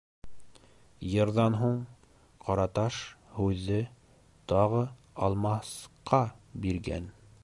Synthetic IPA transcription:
jɤ̆ɾðɑnɦuɴ | qʰɑɾɑt̪ɑʃhʉðːɘ | t̪ɑʁɤ | ɑlˠmɑsqɑbiɾɡæ̰n

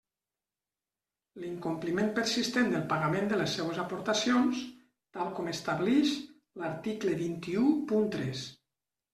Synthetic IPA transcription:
liŋkumplimenpəɾsist̪end̪əlˠpaɣamend̪ələsːɛwəzapoɾt̪asions | t̪alˠkɔmest̪aβlɛʃ | laɾt̪ikləβint̪iupunt̪ɾɛs

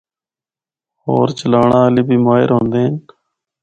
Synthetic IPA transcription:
hoːɾt͡ʃəlaːɳãːəliːbʱiːmaːɦɪ̰ɾɦõːnd̪eːɦn

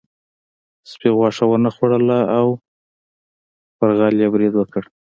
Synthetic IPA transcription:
spiɣwɑʂawənaxwaɽəlaaw | pəɾɣɑljabɾid̪wəkəɽ

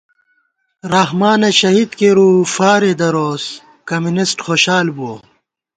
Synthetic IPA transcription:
ɾɐɦmaːnɐɕɐɦiːd̪keɾuːfaːɾed̪ɐɾoːs | kɐmunisʈxoːɕaːlbuo

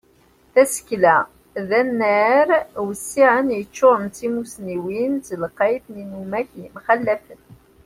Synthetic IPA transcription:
θæsə̥klæ | ðænːæɾwəsːiʕənjət͡ʃːoɾˤənt̪imusniwinzələqːɑjθninumæçjəmχælːæfən

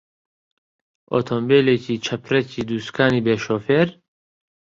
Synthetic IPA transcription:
ʔo̰t̪ʰombeːleːciːt͡ʃʰɐpʰɾɛciːd̪uːskʰaːniːbeːʃoːfeːɾ

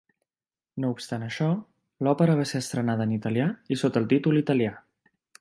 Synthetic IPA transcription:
noupst̪anəʃɔ | lɔpəɾəβ̞aseəst̪ɾənað̞əːnit̪əliaisot̪əlˠt̪it̪ulˠit̪əlia

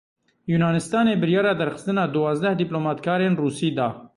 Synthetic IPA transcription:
juːnɑːnɪst̪ɑːneːbɨɾjɑːɾɑːd̪ɛɾxɨ̥st̪ɨnɑːd̪ʊwɑːzd̪ɛhd̪iploːmɑːt̪kʰɑːɾeːnruːsiːd̪ɑː

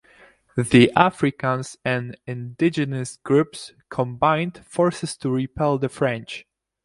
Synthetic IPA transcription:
ðiʔafɹɪkãnzɛ̃nɪ̃ndɪd͡ʒɨnəsɡ̥ɹups | kʰɔ̃mbãj̃nd̥fɔɹsɨstuɹipʰɛlˠðəfɹɛ̃nt͡ʃ

